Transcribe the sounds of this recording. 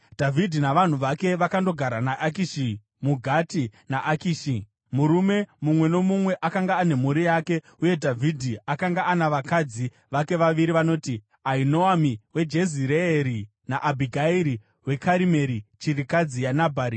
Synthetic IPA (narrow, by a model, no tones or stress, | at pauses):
dʱavʱidʱinaʋan̤uʋake̞ʋakando̞ɡʱaɾanaʔakiʃi | muɡʱatinaʔakiːʃi | muɾume̞mumwe̞no̞mumwe̞ʔakaŋɡaːne̞muɾijake̞ | uje̞dʱavʱidʱiakaŋɡaanaʋakad͡zi | ʋake̞ʋaʋiɾiʋano̞ːti | aino̞amiwe̞d͡ʒe̞ziɾeːɾi | naʔabʱiɡʱaiɾi | we̞kaɾime̞ɾit͡ʃirikad͡zijanabʱaːɾi